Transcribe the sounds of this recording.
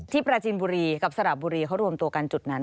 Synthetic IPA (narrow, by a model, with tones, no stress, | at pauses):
t̪ʰiː˥˩pɾaː˧t͡ɕiː˧nbuː˧ɾiː˧ka˨˩p̚sa˧ɾa˨˩p̚buː˧ɾiː˧kʰa˦˥ɾu˧əmt̪u˧əka˧nt͡ɕu˨˩t̪̚na˦˥n